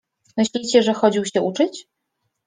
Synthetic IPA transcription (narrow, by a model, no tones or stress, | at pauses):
mɘɕlʲit͡ɕɛʐɛxɔd͡ʑiwɕɛʔut͡ʂɘt͡ɕ